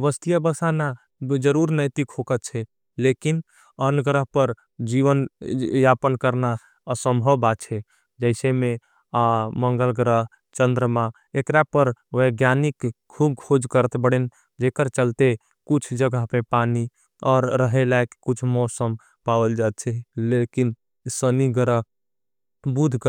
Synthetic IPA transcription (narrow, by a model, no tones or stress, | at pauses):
ʋəst̪ijəbəsana | d͡ʒəɾuɾnəjt̪ikʰokət̪t͡ʃʰɛ | lekin | ənəɡɾəɦpəɾ | d͡ʒiʋənjapənkəɾna | əsəmbʱəbat͡ʃʰɛ | d͡ʒəɪseme | aməŋɡəlɡɾəɦ | t͡ʃənd̪ɾəma | ekɾapəɾʋeɡjanikkʰub̚kʰod͡ʒkəɾət̪bəɽen | d͡ʒekəɾt͡ʃəlt̪e | kut͡ʃʰd͡ʒəɡapepani | ɔːɾːəɦelaekkut͡ʃʰmɔsəm | pawəld͡ʒat̪̚t͡ʃʰɛlekin | səniɡəɾəɦ | bud̪ʱk